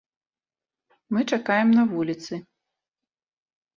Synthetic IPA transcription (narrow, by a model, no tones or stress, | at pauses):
mɨt͡ʂakajɛmnɐvulʲit̪sɨ